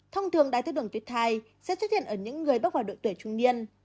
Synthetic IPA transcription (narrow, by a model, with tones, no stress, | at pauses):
t̪ʰɔ˧ŋ͡mt̪ʰɨ˨˩əŋɗaː˨˩jt̪ə˧ɗɨ˧˩əŋt̪wt̚t̪ʰaː˧˩j | sɛ̰˧˥swə˦˥t̚hḭ˧˨ənʔəː˧˩ɲɨ̰˧˥ŋːɨ˨˩əjɓa˦˥k̚haː˧˩ɗo̰˧˨jt̪wjt͡ɕʊ˧ŋ͡mni˧ən